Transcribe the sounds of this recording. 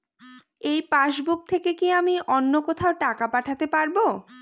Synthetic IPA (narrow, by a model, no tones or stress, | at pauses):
ejpaʃbuk̚t̪ʰekekiamiɔnːokot̪ʰaoʈakapaʈʰat̪epaɾbo